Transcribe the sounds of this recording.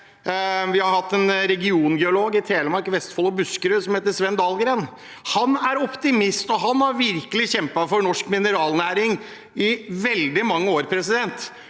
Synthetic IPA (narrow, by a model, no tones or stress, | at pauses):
ʋɪhɑɾhɑt̪ːɛnɾɛɡɪuːnɡɛʊloːɡɪt̪ʰeːləmɑɾkʋɛst̪fɔlɔbʉskəɾʉːsɔmheːt̪əʂʋɛnd̪ɑːlɡɾeːn | hɑnæɾɔpt̪ɪmɪst̪ɔɦɑnæɾʋɪɾkəlɪçɛmpɑfɔɾnɔʂkmɪnəɾɑːlnæːɾɪŋ | ɪʋɛld̪ɪmɑŋːəoːɾpʰɾɛsɪd̪ɛnt̪